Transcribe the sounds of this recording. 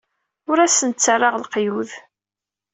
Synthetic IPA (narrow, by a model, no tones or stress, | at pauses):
ʊɾæsənt͡sːarˤːɑʁlqjuð